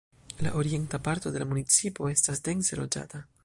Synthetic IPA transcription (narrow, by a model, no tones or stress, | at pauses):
la̰ʔo̞ɾie̞ntapaɾto̞de̞lamunit͡sipo̞e̞stasde̞nse̞lo̞d͡ʒa̰ta